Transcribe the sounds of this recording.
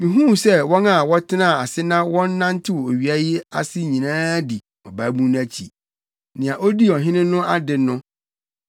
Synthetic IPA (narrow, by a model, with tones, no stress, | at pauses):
mĩ˨ɦũ˦m˨sɛ˦wɔ̃˦na˨wɔ˦tʰɪ˦nã˦˨a˨sɪ˦nã˦wɔ̃˦nː˦ã˦n˦tʰɪ˦wɔ˨o˨ɥi˨a˦jɪ˦a̰˦sɪ˦ɲĩ˨nãː˦di˨ | ɔ˨ba˨˦bũ˦ñ˦æ˦t͡ɕʰḭ˨ | nɪ̃˨ã˨ʔo˦di˦ɔ˨ɦɪ̃˦nɪ̃˦nʊ̃˦a˦dɪ˨nʊ̃˦